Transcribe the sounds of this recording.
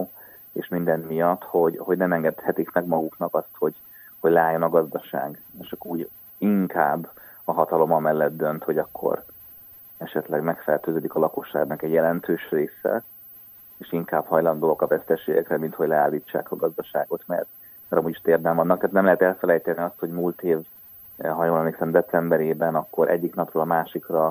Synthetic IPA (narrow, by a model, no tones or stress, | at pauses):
eːʃmind̪ɛnmijɒt̪ho̞ɟho̞ɟnɛmɛŋɡɛt̪hɛt̪ikmɛɡmɒɡuknɒkɒst̪ho̞ɟ | ho̞ɟlɛaːjːo̞nɒɡɒzd̪ɒʃa̰ːɡeːʃɒkːuːɟ | iŋkʰaːbː | ɒɦɒt̪ɒlo̞mɒmɛlːɛt̪̚d̪ø̞nt̪ho̞ɟɒkʰːo̞̰ɾ | ɛʃɛt̪lɛɡmɛkfɛ̰rt̪øːzøːd̪ikɒlɒko̞ʃːa̰ːɡnɒkɛɟjɛlɛnt̪øːʃreːsɛ̰ | eːʃiŋkaːbhɒjlɒnd̪ookɒvɛst̪ɛʃeːɡɛkrɛmint̪ho̞ɟlɛaːlːiːt͡ʃːa̰ːkɒɡɒzd̪ɒʃaːɡo̞t̪mɛ̰rt̪ | mɛɾɒmuːɟiʃt̪eːrd̪ɛmːɒnːɒk̚t̪ɦːt̪nɛmlɛɦɛt̪ɛlfɛlɛjt̪ɛniɒst̪ho̞ɟmuːlt̪eːv | ɦɒjonlɒneksɛmd̪ɛt̪sɛmbɛɾeːbɛnɒkːo̞ɾʔɛ̰ɟːiknɒproːlɒmaːʃikrɒ